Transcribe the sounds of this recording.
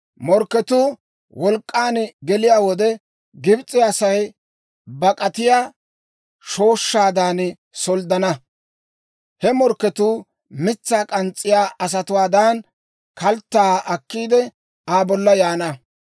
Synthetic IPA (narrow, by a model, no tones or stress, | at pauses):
mɔɾkːɛt̪uː | wʔɔlkʼːaːnɡɛlɪjaːwɔd̪ɛ | ɡɪbt͡sʼːɪasɐj | bɐkʼɐt̪ɪjaː | ʃo̞ːʃːaːd̪aːn | sɔld̪ɐnɐ | hɛmɔɾkːɛt̪uː | mɪt͡sːaːkʼɐnt͡sʼːɪjaːʔɐs̬ɐt̪ʊwaːd̪aːn | kɐlt̪ːaʔɐkːiːd̪ɛ | aːbɔlːɐjaːnɐ